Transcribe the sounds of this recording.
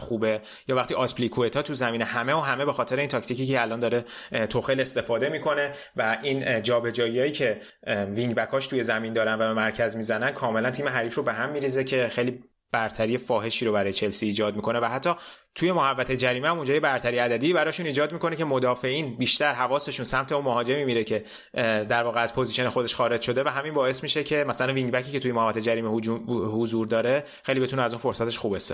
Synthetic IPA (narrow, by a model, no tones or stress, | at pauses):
xuːbe | jɒːvæxχt̪iːʔɒsplikʰuet̪ʰɒːt̪ʰuzæmiːnehæmeoɦæme̞be̞xɒːt̪ʰeɾeint̪ʰɒct̪iciːcælɒnd̪ɒːɾe̞t̪ʰoxele̞st̪e̞fɒːd̪e̞mikʰo̞ne̞ | væʔind͡ʒɒːbe̞d͡ʒɒːjiɒːjiːcʰe̞ | viŋɟbækʰɒːʃt̪ʰuje̞zæmind̪ɒːɾænvæbemæɾcʰæzmizænænkʰɒːme̞lænt̪ʰiːmeɦæɾiːfɾo̞be̞ɦæmːiːɾiːzecʰe̞xejli | b̥æɾt̪ʰæɾijefɒːɦe̞ʃiːɾobæɾɒːje̞t͡ʃʰe̞lsiːd͡ʒɒːd̪mikʰo̞ne̞væɦæt̪ʰːɒː | t̪ʰuje̞mohævːæt̪ʰe̞d͡ʒæɾiːmhæmund͡ʒɒːje̞bæɾt̪ʰæɾijæd̪æd̪iːbæɾɒːʃuniːd͡ʒɒːd̪miko̞necʰe̞mo̞d̪ɒːfe̞ʔiːnbiːʃt̪æɾɦævɒːse̞ʃuːnsæmt̪ʰe̞unmoɦɒːd͡ʒe̞mimiɾecʰe̞ | d̪æɾvɒːɣeæz̥pʰoziʃe̞nexod̪e̞ʃxɒːɾe̞d͡ʒʃo̞d̪e̞væɦæminbɒːe̞smiʃecʰe̞mæsælænviŋbæcʰiːce̞t̪ujemohævːæt̪e̞d͡ʒæɾiːmeuhozuɾd̪ɒːɾe̞ | xe̞jlibe̞t̪unɛæzuːnfo̞ɾsæt̪ʰe̞ʃxuːbest̪ɒ